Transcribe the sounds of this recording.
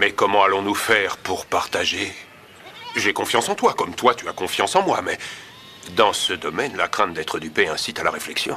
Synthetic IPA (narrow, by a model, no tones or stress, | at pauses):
mɛkɔmɑ̃alɔ̃nufɛʁpuʁpaʁt̪aʒe | ʒekɔ̃fjɑ̃sɑ̃t̪wakɔmt̪wat̪yakɔ̃fjɑ̃sɑ̃mwamɛ | d̪ɑ̃səd̪ɔmɛnlakχɛ̃t̪̚d̪ɛt̪χəd̪ypeɛ̃sit̪alaʁeflɛksjɔ̰̃